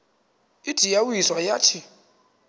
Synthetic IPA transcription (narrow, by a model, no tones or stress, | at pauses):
id̥ʱijawiswajatʰi